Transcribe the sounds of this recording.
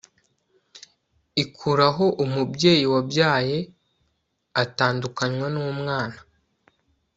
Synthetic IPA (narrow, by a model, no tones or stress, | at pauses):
ikʰuɾaɦo̞ʔumubje̞ːjiwabjaːje̞ | ataːndukaɲŋwanuːmŋaːna